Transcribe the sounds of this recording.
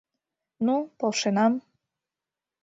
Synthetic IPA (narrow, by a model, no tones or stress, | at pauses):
nupolʃenɑm